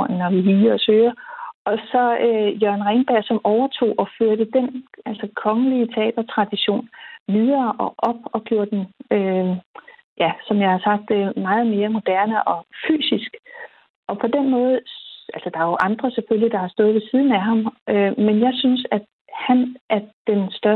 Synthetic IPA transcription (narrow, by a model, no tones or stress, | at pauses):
ŋnɒʋiɦiːɒ̽søːɐɒ̽sɒ̽øjøɐnʁɛnb̥æɐ̰sɒ̽mɒʊɐt͡sʰo̝̰ːʔɒ̽føɐɾ̥əd̥enʔælsɒkʰɒ̽ŋəliət͡sʰeɛ̰ːd̥ɐt͡sʰʁɑ̈d̥iɕo̝̰ːnʋið̞ˠɐːʔɒ̽ʔɒ̽b̥ɒ̽ɡ̥jo̝ɐ̰d̥d̥enø | jæsɒ̽mjɑ̈ɪhɑ̈sɑ̈ɡ̥̚d̥mɑ̈ːð̞̩ˠme̝ːɐmo̝d̥æɐnəʔɒ̽fy̰ːsisɡ̥ | ʔɒ̽pʰɒ̽d̥enmɔ̽ːð̩ˠʔælsɒd̥ɑ̈æjoʔɑ̈nd̥ʁɐsefølid̥ɑ̈hɑ̈sd̥ɔ̽ːð̞̩ˠʋe̝siːð̞ˠn̩æɦɑ̈mømenjɑ̈ɪsynsæd̥ | hænʔæɐd̥ensd̥ɶɐ